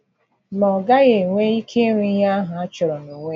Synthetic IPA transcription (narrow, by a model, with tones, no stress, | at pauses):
mɔ˨ɡa˦ɣe˨ŋʷe˦i˦kʰe˦ŋʷi˦ja˦ɦʊ˨a˦t͡ʃɔ˨ɾɔ˨nu˨ŋʷe˦